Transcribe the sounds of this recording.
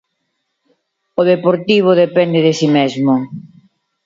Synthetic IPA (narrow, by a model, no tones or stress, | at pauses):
oðepoɾt̪iβ̞oðepɛnd̪eðesimezmʊ